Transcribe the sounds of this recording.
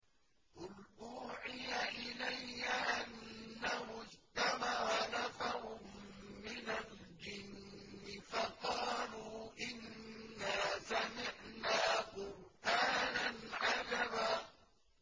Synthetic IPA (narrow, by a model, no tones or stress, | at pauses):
ʔʊlʔuːʕɪjaʔɪlajːaʔanːahʊd͡ʒt̪amaɾˤɑnafahʊmː | ɪnal | d͡ʒɪnː | ɪfɑqɑːluːʔɪnːaːsamɪʕnaːqʊɾʔaːnanʕad͡ʒabaː